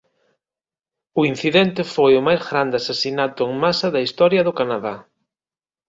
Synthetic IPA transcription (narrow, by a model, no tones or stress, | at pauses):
ʊin̟θiðɛnt̪ɪfojʊmajzɣɾand̪ɪasasinat̪ʊeŋmasɐðɐist̪ɔɾjɐðʊkanaða